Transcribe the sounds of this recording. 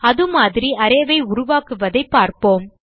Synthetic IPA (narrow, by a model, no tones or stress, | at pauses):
ɐðɯmaːðɪɾiʔɐɾɐjʋɐɪʊɾʊʋaːkɯʋɐðɐɪpːaːɾpoːm